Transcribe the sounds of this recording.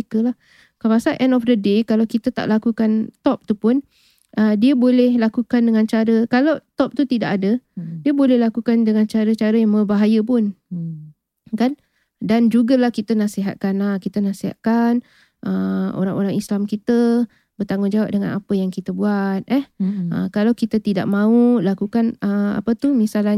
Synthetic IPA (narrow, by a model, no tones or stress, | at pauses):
kəlah | kapasaʔɛndɔfdədekalawkit̪ət̪a̰ʔlakukant̪ɔp̚t̪upʊn | ʔədiəbolɛhlakukandəŋãnt͡ʃaɾəkalawt̪ɔp̚t̪ut̪idaʔadədiəbolɛhlakukandəŋant͡ʃaɾət͡ʃaɾəjaŋbəbaɦajəpʊn | kan | dand͡ʒuɡalahkit̪ənasiɦat̪̚kanakit̪ənasiɦa̰ʔ̪̚kan | ʔəo̰ɾaŋoɾaŋislamkit̪ə | bərt̪aŋʊnd͡ʒawap̚dəŋa̰napəjaŋkit̪əbuat̪̚ɛhʔə̰kalawkit̪ət̪ida̰ʔ̚mãulakukanəa̰pət̪umisala